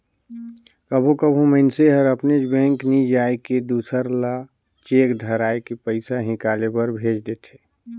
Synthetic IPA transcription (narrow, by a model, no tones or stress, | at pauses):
kəbʱokəbʱũmənseɦəɾəpned͡ʒbɛ̃ːŋknid͡ʒaːeked̪uːsəɾla | t͡ʃeːkd̪ʱəɾaːekepəɪsaɦɪ̃kaːlebəɾbʱeːd͡ʒd̪eːt̪ʰeː